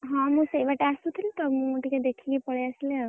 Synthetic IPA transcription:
ɦɔ̃mũsejibaʈeasut̪ʰilt̪ɔmũʈiked̪ekʰiɡipɔɽeasilea

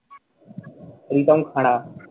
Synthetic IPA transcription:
ɾiːt̪aũːkʰaːɽ̃aː

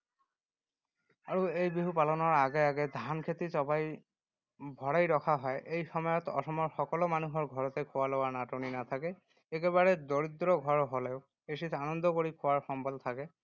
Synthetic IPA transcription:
aɹuejbiɦupalɔnɔɹaɡɛaɡɛd̪ʱankʰet̪isɔbaj | bʱɔɹajɹɔkʰaɦɔjʔejxɔmɔjɔt̪ɔ̰sɔmɔɹxɔkɔlɔmanuɦɔɹɡʱɔɹɔt̪ɛkʰowalɔwaɹnatoninat̪ʰakɛ | ekeβaɹɛd̪oɹid̪ɹɔɡʱɔɹɦɔlɛʊ | esitʰanɔnd̪ʱɔkoɹikʰowaɹxɔmbɔlt̪ʰakɛ

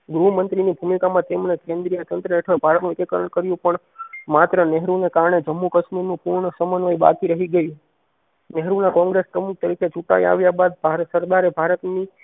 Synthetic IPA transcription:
ɡɾumənt̪ɾinibʱumikamãt̪emnekẽnd̪ɾijət̪ənt̪ɾəeʈʰəbʱaɾət̪nũɪk̪ekəɾəɳkəɾjũpəɳ | mat̪ɾənɛɦɾunekaɾɳed͡ʒəmːukəʃmiɾnũpuɾɳəsəmənʋaiba̰kiɾəɦiɡəjũ | nɛɦɾunãkɔ̃ŋɡɾespɾəmuk̚t̪əɾikʰet͡ʃuʈa̰ḭa̰ʋjabad̪̚bʱaɾsəɾd̪aɾebʱaɾət̪ni

